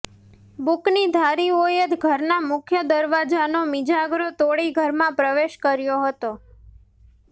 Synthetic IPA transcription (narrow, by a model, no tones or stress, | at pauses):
buknid̪ʱaɾiojət̪ɡʱəɾnamʊkʰjəd̪əɾʋad͡ʒanomid͡ʒaɡɾot̪oɽiɡʱəɾmãpɾəʋeʃkəɾjoɦət̪o